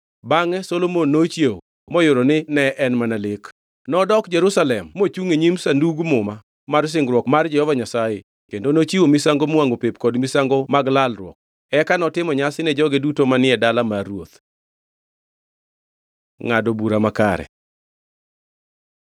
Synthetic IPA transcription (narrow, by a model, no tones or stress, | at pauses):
baŋɛsolomonːot͡ʃjeo | mɔjʊɾonɪnɛʔɛnmanalɪk | nɔdɔkd͡ʒɛɾusalɛmːot͡ʃuŋeɲimsanduɡmʊma | mars̬ɪŋɡɾwɔkmard͡ʒɛhɔvaɲasaje | kendonot͡ʃiwomisaŋɡomaŋɡopepkɔdmisaŋɡomaɡlalrwɔ̰k̚ | ɛkanɔtɪmɔɲasɪnɛd͡ʒɔɡedutomanɪɛdalamaɾwo̰t̪ | ŋadobuɾamaka̰ɾɛ̰